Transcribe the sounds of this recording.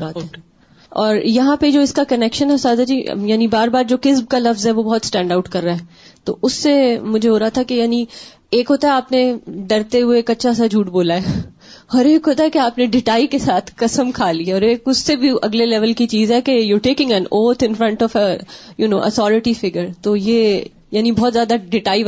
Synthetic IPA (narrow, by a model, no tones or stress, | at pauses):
baːt̪ɦɛː | ɔːɾjɐɦãped͡ʒoːɪskakɐnɛkʃə̃nɦɛsaːd̪ʱad͡ʒḭːjaːnibaːɾbaːɾd͡ʒoːkɪsb̚kalɐfzɦɛʋobɔɦɔt̪sʈɛ̃ːɳɖaːʊʈkɐɾːaːɦɛː | t̪o̰ːʔʊsːemʊd͡ʒʱeɦoːɾɐɦat̪ʰakejaːni | eːkɦoːt̪aɦɛaːpneɖɐɾt̪eɦʊeeːkɐtːʃʰasad͡ʒʱuːʈboːlaɛ | ɔːɾeːkɦoːt̪aɦɛkeaːpneɖɪʈaːikesaːt̪ʰkɐsəmkʰaːliaɔːɾeːkʊsːebʱiɐ̰ɡlelɛʋəlkit͡ʃiːzɦɛkejuɾʈeːkɪ̃ŋɛ̃noːt̪ʰɪ̃nfɾɐ̃ɳʈɔːfəjunoːʔə̰sɔːɾɪʈifɪɡəɾt̪oːjeː | jaːnibɔɦːt̪zjaːd̪aɖɪʈaːi